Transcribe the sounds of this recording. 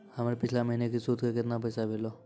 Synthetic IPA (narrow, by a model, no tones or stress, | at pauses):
hamɾepɪt͡ʃʰlaməɦinekisuːt̪kekɪt̪nap̬əjsaʋeːlo